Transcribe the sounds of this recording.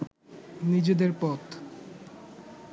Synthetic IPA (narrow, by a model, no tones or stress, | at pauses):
nid͡ʑed̪eɾpɔt̪